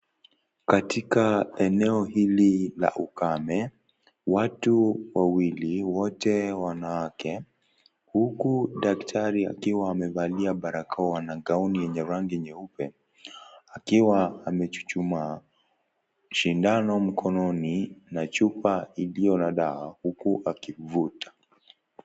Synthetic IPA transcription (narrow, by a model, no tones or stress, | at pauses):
katikaɛnɛɔhilila̰ʔukamɛ | watuwawiliwɔtɛwanawakʰɛ | hukuɗaktʰaɾia̰kiwaːmɛvaliaɓaɾakaɔwanaɡaunijɛɲɛɾaŋɡiɛɲɛupɛ | akiwaːmɛt͡ʃu̥t͡ʃuma | ʃindanɔm̩kʰɔnɔninat͡ʃupailijɔnaɗaahukuʔakivutḁ